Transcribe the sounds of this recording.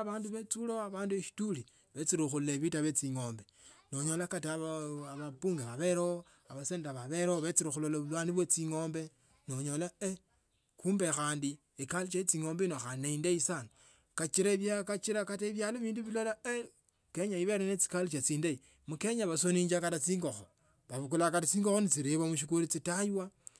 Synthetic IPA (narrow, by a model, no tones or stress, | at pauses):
βaːnduβet͡suloaβaːndueʃi̥tuli | βet͡siɾixulleβitaβet͡siŋo̞ːmbe̞ | noɲo̞lakataβaβapuːŋɡeβaβeɾo | aβaseːnaβaβeɾoβet͡siɾixulolaβulwaniβwet͡siŋoːmbe̞ | noɲo̞lae | kuːmbexaːndi | ekalit͡ʃait͡siŋo̞ːmbenoxaneindaisano | kat͡ʃiɾaβjakat͡ʃiɾakateβjaːloβiːnduβilolae | keɲaiβeɾenet͡si̥kalit͡ʃat͡siːndai | mukeɲaβasoniːɲd͡ʒakatat͡siːŋɡoxo | βaβukulakatat͡siːŋɡoxonit͡siɾeβamuʃ̬ikulit͡sitajwa